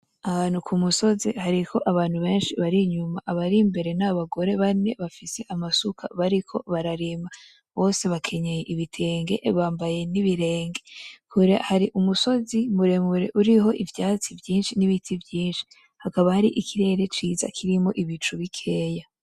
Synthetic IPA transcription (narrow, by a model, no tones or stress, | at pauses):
aβaːnhukʰumuso̞zihaɾikʰo̞ʔaβaːn̥huβe̞ːnʃiβaɾiɲumaʔaβaɾimbe̞ɾe̞naβaɡo̞ɾe̞βane̞̰βafise̞ʔamasukʰa̰βaɾikʰo̞̰βaɾaɾima | βo̞ːse̞βakʰe̞ɲeje̞ʔiβitʰe̞ːŋɡe̞̰βaːmbaje̞niβiɾe̞ːŋɡe̞kuɾeahaɾiʔumuso̞zimuɾe̞muɾe̞̰ʔuɾiɦo̞ʔivjaːt͡sivjiːnʃiniβitʰivjiːnʃi̥ | hakaβahaɾiʔikʰiɾe̞ɾe̞t͡ʃiːza̰kʰiɾimo̞ʔiβit͡ʃuβikʰe̞ːja